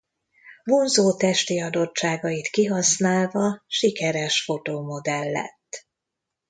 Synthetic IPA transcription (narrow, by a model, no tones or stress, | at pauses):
vonzoːt̪ɛʃt̪iɒd̪o̞t͡ʃt͡ʃːaːɡɒjit̪kiɦɒsnaːlvɒʃikɛɾɛʃfo̞t̪oːmo̞d̪ɛlːɛ̰t̪ː